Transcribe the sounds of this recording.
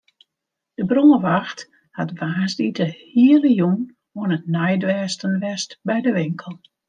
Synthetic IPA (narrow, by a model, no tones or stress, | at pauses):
d̥əbroməʋaxt | hatʋaːsditəhiələjuŋ | oənətnajdʋɛːstənʋɛstbɛjdəʋɪŋkʰəlˠ